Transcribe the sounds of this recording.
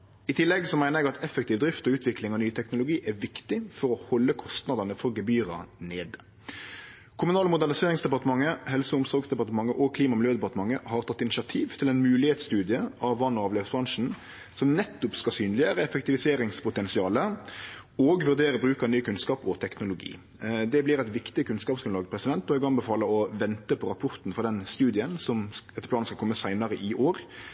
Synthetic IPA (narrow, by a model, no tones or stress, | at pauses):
ɪt̪ʰɪlːɛɡsɔmæɪnəʁɛɡɑt̪ʰɛfɛk̚t̪ʰɪːʋd̪ɾɪft̪ɔʉːt̪ʰʋɪklɪŋɑʋnyːət̪ʰɛknʊlʊɡiːʔæʋɪkt̪ɪfɔɾɔhɔlːəkʰɔst̪nɑd̪ɑnəfɔɾɡəbyːɾɑ̰neːd̪ | kʰʊmʉnɑːləmʊd̪æʁnɪseːʁɪŋsd̪ɛpɑʁt̪əmɑŋːəɦɛlsəʊmsɔʁɡsd̪ɛpɑʁt̪əmɑŋːəʔɔkʰliːmɑmɪljøːd̪ɛpɑt̪əmɑŋːəhɑʁt̪ʰɑt̪ːɪnɪsɑt̪ʰiːʋt̪ʰɪlɛnmʉːlɪheːt̪st̪ʉːd̪ɪəɑʋːɑnɔɑːʋleːʋsbʁɑnʂn̩ | sɔmnɛt̪ːʊpskɑsyːnlɪjəɾəɛfək̚t̪ɪʋɪseːɾɪŋspʰʊt̪ɛnsɪɑːlə | ɔɡʋʉʁd̪eːɾəbʁʉːkɑnyːkʰʉnskɑːpɔt̪ʰɛknʊlʊɡḭː | d̪ɛblɪɾɛɪt̪ʋɪkt̪ɪkʰʉnskɑːpsknɑːɡəpʰɾʁɛsɪd̪ɛnt̪ːɔɪɡɑŋbəfɑːləɔʋɛnt̪əpʰɔɾɑpʰʊʁt̪n̩fɔʁd̪ɛnst̪ʉːd̪ɪənsɔmɛt̪ːə̥plɑːnskɑlkʰɔmːəsæɪnɑɾəʔɪʔoːɾ